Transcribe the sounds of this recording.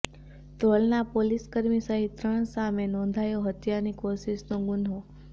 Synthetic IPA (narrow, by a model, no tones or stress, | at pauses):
t̪oɭnapoliskəɾmisəɦit̪ɾəɳ̃samenɔ̃nd̪ʱajoɦət̪janikoʃiʃnoɡʊnɦo